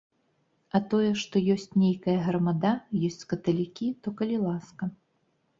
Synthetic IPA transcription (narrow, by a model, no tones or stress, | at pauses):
ɐt̪ɔjɛʂt̪ɔjɔsʲt͡sʲnʲejkɐjɐɣɾɐmad̪ajɔsʲt͡sʲskɐt̪ɐlʲikʲit̪ɔkɐlʲilˠaskɐ